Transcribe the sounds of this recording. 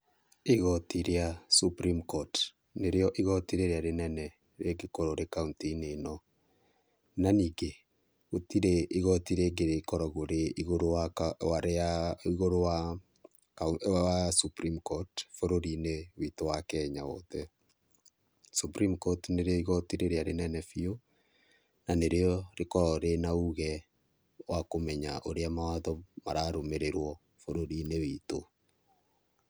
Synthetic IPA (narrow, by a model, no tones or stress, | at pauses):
iɣɔtiɾeasupɾimkɔt | neɾeɔʔiɣɔtiɾeɾeaɾenɛnɛ | ɾeɡekoɾoɾekauntinenɔ | naniːɡe | otiɾeʔiɣɔtiɾeɡeɾekɔɾɔɣoɾeiɣoɾoawaɾeaiɣoɾowa | kawasupɾimkɔtfoɾoɾinewitowakɛɲaɔ̰tɛ | supɾimkɔtneɾeɔiɣɔtiɾeɾeaɾenɛnɛfio | naneɾeɔɾekɔɾɔɾenauɣɛ | wakomɛɲaʔoɾeamawaðɔmaɾaɾomeɾeɾwɔ | foɾoɾinewito